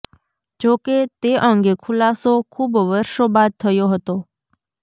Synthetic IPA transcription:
d͡ʒoket̪eʔəŋɡekʰulasokʰubʋəɾʃobad̪̚t̪ʰəjoɦət̪o

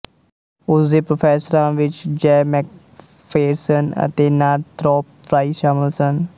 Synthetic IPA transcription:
ʊsd̪eːpɾoːpʰɛːsəɾãːʋɪt͡ʃd͡ʒɛːmɛːk̚ | pʰeːɾsənə̰t̪eːnaːɾt̪ɾɔːpːʰɾaːiːʃaːmɪlsən

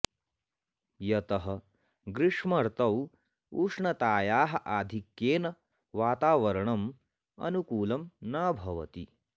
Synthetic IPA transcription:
jɐt̪ɐɦɐ | ɡɾɪʂmɐɾt̪ɐw | uːʂɳɐt̪aːjaːɦɐ̆ʔaːd̪ʱikjeːnɐ | ʋaːt̪aːʋɐɾɐɳɐm | ɐ̰nukuːlɐmnaːbʱɐʋɐ̰t̪i

